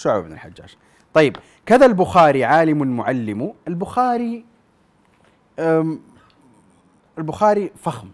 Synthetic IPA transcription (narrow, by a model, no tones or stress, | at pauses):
ʃʊʕ̰bnɪ̰lħad͡ʒːa̰ːd͡ʒ | t̪ˤɑjːɪb | kaðalbʊxaːɾiʕaːlɪmʊnmʊʕalːɪmuʔɪlbʊxaːɾi | ɪlbʊxaːɾifaxm